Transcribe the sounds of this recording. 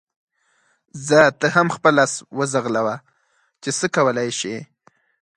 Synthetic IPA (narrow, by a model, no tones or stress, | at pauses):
zat̪əɦamxpəlaswəzaɣlawa | t͡ʃesəkawəlajʃe